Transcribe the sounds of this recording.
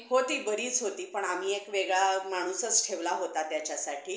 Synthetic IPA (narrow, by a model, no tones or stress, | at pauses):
ɦot̪iːbəɾiːt͡sɦot̪iːpəɳam̤iːekʋeɡɭamaɽ̃usət͡sʈʰeʋlaɦot̪at̪jat͡ɕjasaʈʰiː